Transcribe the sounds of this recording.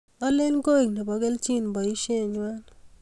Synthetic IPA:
ɔ˦le˦lɡo˦i˨ne˨bɔ˨ɡe˦lt͡ʃi˦˨nbɔ˨i˦ʃe˦˨ɲwa˦l

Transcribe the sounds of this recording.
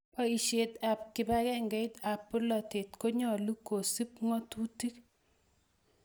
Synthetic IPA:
ɔ˦i˨ʃe˨t̪a˨p̚kɪ˨ba˦kɛ˦ŋɡɛ˨˦ɪ˦t̪a˨pːʊ˦lɔ˨te˨t̪ko˦ɲɔ˦˨lu˦ko˨si˦p̚ŋɔ˦tu˦ti˦k

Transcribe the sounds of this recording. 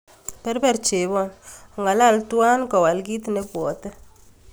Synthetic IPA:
pɛ˦ɾbɛ˦˨ɾt͡ʃe˨bɔ˦˨n˨ŋa˨la˦˨ltwa˦nkɔ˨wa˨lɡi˦tne˦pwɔ˨tɛ˦

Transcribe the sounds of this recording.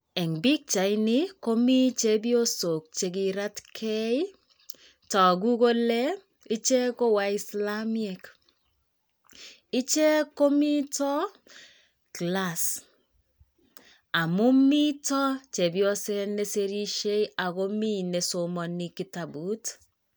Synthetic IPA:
ɛ˨ŋbi˦k̚t͡ʃa˨ɪnɪ˦ko˦mi˦t͡ʃe˦bi˦o˦so˨k̚t͡ʃe˨k̬i˨ɾa˦tkʰɛ˦j | tɔ˨ɡu˦ko˦le˦ | i˦t͡ʃe˦ko˦wa˦i˦sla˦mɛ˨k | i˦t͡ʃe˦ko˦mi˦tɔ˦ | kla˨s | a˨mu˦mːi˦tɔ˦t͡ʃe˨bi˦ɔ˦sɛ˦ne˦se˦ɾi˦ʃe˦ja˨ko˦mi˦ne˨so˨mɔ˨ni˦ki˨˦ta˨bu˦t

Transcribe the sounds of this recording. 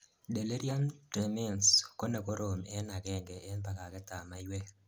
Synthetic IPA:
de˨le˦ɾja˦mte˨mɛ˦˨nsko˦ne˨ko˦ɾo˨mɛ˦na˨ɡɛ˦ŋɡɛ˨ɛ˦nba˨ka˨kɛ˦ta˨ma˦jwe˦

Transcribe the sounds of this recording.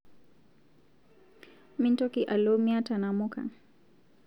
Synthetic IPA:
mi˦ntɔ˦kiʔa˨lomia˦ta˨na˨mu˦ka̰˨

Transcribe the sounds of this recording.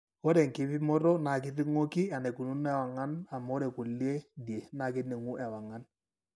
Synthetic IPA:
o˦ɾe˨ŋ˨kɪ˨˦pɪ˦mɔ˦ɾɔ˦na˨kɪ˦tɪ˦ŋo˦ki˦a˨ne˨ku˨nu˦nɛ˦˨wa˨ŋa˦na˨m˦ɔ˦ɾe˨ku˨lje˦dje˨˦na˨kɪ˦tne˨ŋu˦ʔɛ˨wa˨ŋa˦n

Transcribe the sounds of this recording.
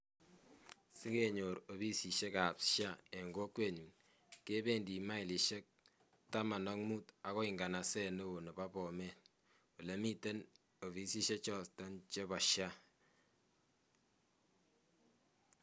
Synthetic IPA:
sɪ˦ke˦ɲo˨ɾo˨βi˦si˨ʃe˦ka˨pʃa˦e˨ŋɡo˦kwe˦˨ɲu˨n | kːe˦be˦˨ndi˨ma˦i˨li˨ʃe˦k̚ | ta˦ma˨nɔ˦ŋmu˦ta˨kɔ˦ɪ˨ŋɡa˨na˨sɛ˦no˦o˨no˨ba˦pɔ˨me˦n | u˨le˨mi˦te˦n | o˨βi˦si˦ʃe˦t͡ʃɔ˦stɔ˦nt͡ʃe˦βɔ˨ʃja˦

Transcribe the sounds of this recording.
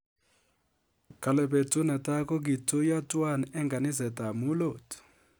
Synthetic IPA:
kʰa˨lɛ˨be˨tʼu˦nɛ˨tʼa˦kɔ˦k̬i˨tʰʼu˦ja˦tʼwa˦˨nɛɛ˦ŋɡa˨ni˦zɛ˨tʼa˨mu˦loː˨t

